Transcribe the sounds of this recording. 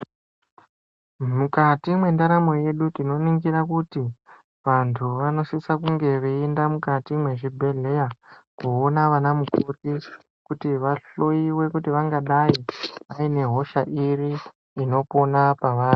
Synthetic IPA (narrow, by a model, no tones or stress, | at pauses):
mukatimwe̞ndaɾamo̞je̞ɗutino̞niŋɡiɾakuti | ʋantʰuʋano̞sisakuŋɡe̞ʋeendamukatimwe̞ʐibʱe̞ɮe̞jakuonaʋanamukuti | kutiʋaɬo̞iwe̞kutiʋaŋɡaɗaiʋaine̞ɦo̞ʃaʔiriː | no̞po̞napaʋaːri